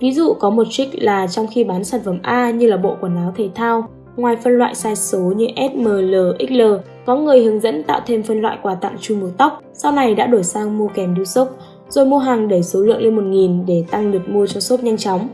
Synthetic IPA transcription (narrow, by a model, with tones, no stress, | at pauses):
vi˨˦zṵ˧˨kɔ˨˦mo˨˩t̚t͡ɕï˦˥k̟̚laː˨˩t͡ɕɔ˧wŋ͡mxi˧ɓaː˨˦nsaː˨˩nfə˧˩mʔaː˧ɲɨ˧laː˨˩ɓo̰˧˨ku˧˩ənːaː˨˦wt̪ʰə˨˦jt̪ʰaː˧w | ŋwaː˨˩jfə˧nlwa̰ː˧˨jsaː˧jso˨˦ɲɨ˧ʔɛ˦˥t̚məː˨˩ləː˨˩ʔi˦˥k̚ləː˨˩ | kɔ˨˦ŋɨ˨˩əjhɨ˨˦əŋzə̰˧˥nt̪a̰ː˧˨wt̪ʰe˧mfə˧nlwa̰ː˧˨jkwaː˧t̪a̰ː˧˨nt͡ɕʊ˧mu˨˩t̪a˦˥k͡p̚sa˧wna˨˩jɗa̰ː˧˥ɗo˧˩jsaː˧ŋmo˧kɛ˨˩mɗi˧əwsə˦˥k͡p̚ | z̥o˨˩jmo˧ɦaː˨˩ŋɗə˧˩jso˨˦lɨ̰˧˨əŋle˧nmo˨˩t̚ŋi˨˩nɗe˧˩t̪a˧ŋɗɨ˨˩ək̚mu˧ət͡ɕɔ˧so˦˥t̚ɲa˧jŋt͡ɕɔ˨˦wŋ͡m